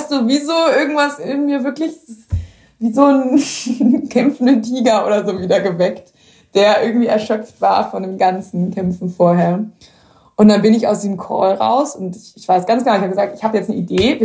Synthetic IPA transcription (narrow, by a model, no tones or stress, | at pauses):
hastd̥uːviːzoːʔɪɐɡŋ̩tv̥asɪnmiːɐvɪɐklɪç | viːzoːn | kʰɛmfn̩dəntʰiːɡɐʔo̰ːɾɐzoːviːdɐɡəvɛkt | d̥eːɐjʔɪɐɡŋ̩tv̥iːɛɐʃœpp͡ftv̥aːɐfɔndeːmɡansn̩kʰɛmfn̩foːɐɦeːɐ | ʔʊntd̥anbɪnɪçaʊsd̥iːzəmkʰɔ̰ːlʁa̰ʊsʊntɪçɪçv̥aɪsɡ̥ant͡sɡənaʊɪçhabəɡəzaːk̚tɪçhaːbəjɛt͡snəʔideː